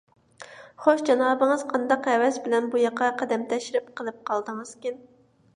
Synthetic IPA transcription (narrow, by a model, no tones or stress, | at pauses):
χoʃd͡ʒɑnɑːbɨŋɨz̥qʰɑnd̪ɑqɛwɛsbɪlɛnbujɑqɑqʰɛd̪ɛmt̪ʰɛʃiɾɪp̚qəlˠɨp̚qʰɑlˠd̪əŋɨz̥kʲin